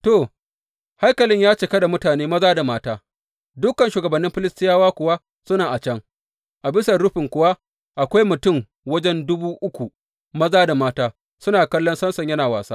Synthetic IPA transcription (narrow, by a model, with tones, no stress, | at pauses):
to˨ | ha˦jkɐ˨lɪ˦ɲjaː˦t͡ʃe˨kɐ˦da˨mʊ˦taː˨neː˦mɐ˦zaː˦da˨maː˦taː˦ | dʊ˦kːɐ˨nʃuː˨ɡɐ˨bɐ˨nːɪ˦mɸɪ˦lɪ˦stɪ˦jaː˦waː˦kʷʊ˨wa˦ | sʊ˦naː˨ʔa˨t͡ʃɐ˦ŋ | ʔa˨bɪ˦sɐ˨ɽʊ˦ɸɪ˨ŋkʷʊ˨wa˦ | ʔa˨kʷa˦jmʊ˨tʊ˦˨ŋ | wɐ˦d͡ʒɛ˦ndʊ˦buː˦ʔʊ˦kʷu˨ | mɐ˦zaː˦da˨maː˦taː˦ | sʊ˦naː˨kɐ˦lːɔ˦nsɐ˦nsɐ˨ɲjɐ˦naː˨waː˨saː˦